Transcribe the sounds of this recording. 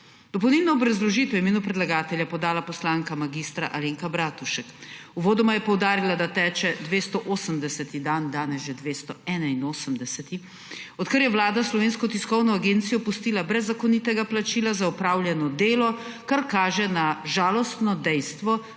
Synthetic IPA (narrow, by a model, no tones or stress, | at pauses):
d̪̥ɔpɔwnilnɔːbɾɐzlɔʒiːt̪ɛwimeːnupɾɛd̪laɡaːt̪ɛljapɔd̪aːlapɔslaːŋkamaɡist̪ɾa̰ʔaleːŋkabɾaːt̪uʃɛkuʋoːd̪ɔmajɛpɔwd̪aːɾilad̪at̪ɛːt͡ʃɛd̪ʋeːst̪ɔʔoːsəmd̪ɛsɛt̪id̪and̪aːnɛsʒɛd̪ʋeːst̪ɔɛːnainoːsəmd̪ɛsɛt̪i | ɔt̪kəɾjɛwlaːd̪aslɔʋeːnskɔt̪iskɔwnɔaɡent̪sijɔpust̪iːlabɾɛzːakonit̪ɛɡaplat͡ʃiːlazaɔpɾaːwljɛnɔd̪eːlɔkaɾkaːʒɛnaʒaːlɔst̪nɔd̪ɛjst̪ʋɔ